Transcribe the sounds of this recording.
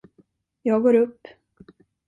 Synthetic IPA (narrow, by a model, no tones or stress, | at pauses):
jɑːɡoːɾɵpː